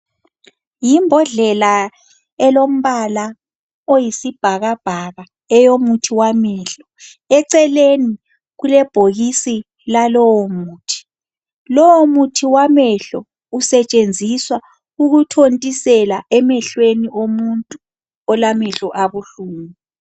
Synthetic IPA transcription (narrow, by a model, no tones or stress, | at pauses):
jimbʱɔɮɛla | ɛlom̩βala | ojisib̥ʱaɣab̥ʱaɣa | ɛjomutʰiwamɛɬɔ | ɛǀɛleni | ɣulɛb̥ʱoɣisi | lalɔwomuːtʰi̥ | lɔwɔmutʰiwamɛɬɔ | usɛt͡ʃʼend͡zʱiswa | uɣutʰontʼisɛlaʔɛmɛɬweniʔomuntʼu | ɔlamɛɬɔʔaβuɬuːmi